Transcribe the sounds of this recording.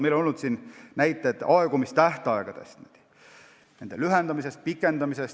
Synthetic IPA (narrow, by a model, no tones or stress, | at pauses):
melonolnut̪siːnnæjt̪ːˑet̪ɑeɡ̥umist̪æht̪eɑeɡ̥ɑd̪̥e̞̰st̪ned̪̥ | ne̞nd̪̥elyɦend̪ɑmise̞st̪̚pikːˑe̞nd̪ɑmise̞s